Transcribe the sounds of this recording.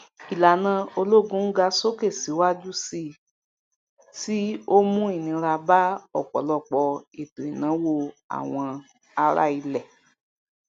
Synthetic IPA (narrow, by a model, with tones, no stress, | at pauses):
i˨la˨nã˧˦o˧lo˦˨ɡũ˧˦ŋ̩˦ɡa˧so˦ke˦˨si˨˦wa˦d͡ʒu˦si˧ | ti˦o˦mũ˦i˦˨nĩ˧ɾa˧ba˦ɔ˦˨k͡pɔ̰˨lɔ˦˨k͡pɔ˧e˨to˨i˨nã˨˦wo˦˧a̰˨w̃ɔ̃˧ | a˧ɾa̰˦˨i˧lɛ˦˨